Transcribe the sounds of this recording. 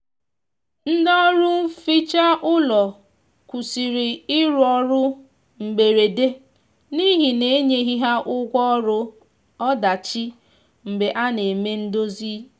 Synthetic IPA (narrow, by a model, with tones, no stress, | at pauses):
n̩˦dɔ˦ɾʊ˦fi˦t͡ʃa˦ʔʊ˦lɔ˨ | kʷu˨si˨ɾi˨ɪ˦ɾɔ˦ɾʊ˦ | ŋ͡m̩˨ɡ͡be˨ɾe˨de˦ | ni˦ɦi˨ne˨˦e˦ɲe˦ɦi˦ɦa˦ʔʊ˦kʷɔ˦ɔ˦ɾʊ˦ | ɔ˦da˨t͡ʃi˦ | m̩˨be˨ʔa˦ne˨me˦n̩˦do˦zi˦